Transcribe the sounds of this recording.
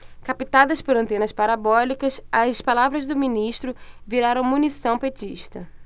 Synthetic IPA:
kapit̪ad̪ɐspoɾɐ̃nt̪ẽnɐspaɾabɔlikɐsɐspalavɾɐzd̪ʊmĩniʃt̪ɾʊviɾaɾɐ̃w̃mũnisɐ̃w̃pet͡ʃiʃt̪ɐ

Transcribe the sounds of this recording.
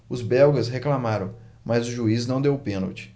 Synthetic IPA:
ʊzbɛwɡɐsɦeklamaɾɐ̃w̃ | mɐzʊʒuiznɐ̃w̃d̪ewʊpẽno̰wt͡ʃɪ̥

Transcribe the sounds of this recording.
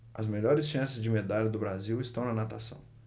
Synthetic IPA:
ɐzmeʎɔɾɪsʃɐ̃sɪzd͡ʒɪmed̪aʎʊd̪ʊbɾaziwɪst̪ɐ̃w̃nɐnat̪asɐ̰̃w̃

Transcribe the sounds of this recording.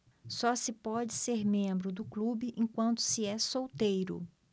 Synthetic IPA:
sɔsɪpɔd͡ʒɪseɾmẽmbɾʊd̪ʊklubɪʔẽkwɐ̃nt̪ʊ̥sɪɛsowt̪ejɾʊ̰

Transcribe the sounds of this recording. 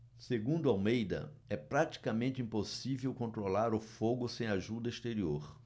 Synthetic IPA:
seɡũnd̪ʊawmejd̪ɐ̰ɛpɾat̪i̥kɐmẽnt̪ɪĩposivewkõnt̪ɾolaɾʊfoɡʊsẽj̃aʒud̪ɐɪst̪eɾioɾ

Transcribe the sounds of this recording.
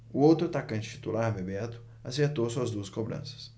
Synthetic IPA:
ʊowt̪ɾʊat̪akɐ̃nt͡ʃɪ̥t͡ʃi̥t̪ulaɾmebɛt̪ʊ̥ | aseɾt̪owsuɐzd̪uɐskobɾɐ̰̃sɐ̥s

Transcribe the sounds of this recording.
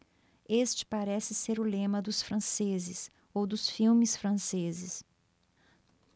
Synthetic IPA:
est͡ʃɪ̥paɾɛsɪseɾʊlẽmɐd̪ʊsfɾɐ̃sezɪs | owd̪ʊsfiwmɪsfɾɐ̃sezɪs

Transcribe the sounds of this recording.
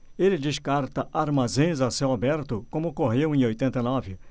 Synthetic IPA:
elɪd͡ʒɪʃkaɾt̪ɐʔaɾmazẽj̃zasewabɛɾt̪ʊkõmʊkoɦewẽj̃ojt̪ẽnt̪ɐnɔvɪ

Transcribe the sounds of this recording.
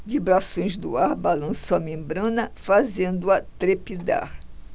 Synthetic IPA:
vibɾasõj̃zd̪ʊaɾbalɐ̃soɐmẽmbɾɐ̃nɐfazẽnd̪ʊɐt̪ɾepid̪a̰ɾ

